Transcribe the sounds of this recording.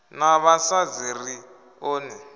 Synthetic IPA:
naβasad͡ziri | oːnɛ

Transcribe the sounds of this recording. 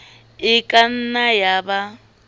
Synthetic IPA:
ɪkʼan̩najaba

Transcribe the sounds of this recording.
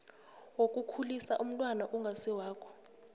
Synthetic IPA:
wokʼukʰulisaʔum̩tʼwanaʔuŋɡʱasɛwaːkʰɔ̥

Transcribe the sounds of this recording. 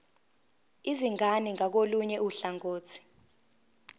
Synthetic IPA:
iziŋʱaniŋak̬oluɲɛuɬaŋoːt͡sʰi̥

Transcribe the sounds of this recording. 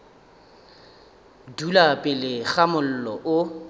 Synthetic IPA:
dulapʼɪlɪɣamʊl̩lɔʔʊ

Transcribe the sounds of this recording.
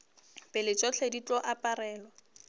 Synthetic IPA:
pʼɪlɪt͡ʃʼɔt͡ɬʰedit͡ɬʼɔʔapʼarɛːlɔ

